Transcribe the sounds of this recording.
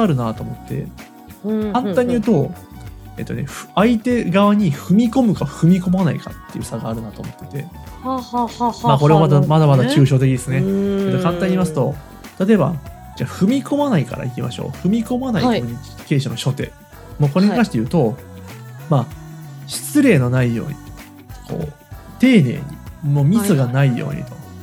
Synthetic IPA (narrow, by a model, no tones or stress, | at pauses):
aɾɯ̟nat̪oːmo̞t̪ːe̞̰ | kãnt̪ãɲ̟ːiɯ̟ːt̪o̞ | e̞̰ːt̪ːo̰ne̞̰ɸait̪e̞ɡaβaɲ̟iɸɯ̟mʲiko̞mɯ̟kaɸɯ̟mʲiko̞manaika̰t̪ːe̞jɯ̟saɡaːɾɯ̟nat̪o̞ːmot̪ːe̞̥t̪e̞̰ | hahaamako̞ɾe̞mamad̪amad̪amad̪akʲɨːɕo̞ːt̪e̞kʲid̪esɨnead̪akãnt̪aɲ̟imas̬ɨ̥t̪o̞ | t̪at̪o̞eba̰ | d͡ʑaːɸɯ̟mʲikʰo̞manaika̰ɾa̰ikʲimaɕo̞̰ːɸɯ̟mʲiko̞manaikoɲ̟i | ke̞ːɕano̞ɕo̞t̪e̞̰ː | moːko̞ɾe̞ɲʲik̪ãɕi̥t̪e̞jɯ̟ːt̪o̞ | maːɕi̥t͡sɨɾe̞ːno̞naijo̞̰ːɲ̟i | kʰo̞̰ː | t̪e̞ːne̞̰ːɲ̟imoːmʲit͡sɨɡanaijo̰ːɲ̟ḭt̪o̞̥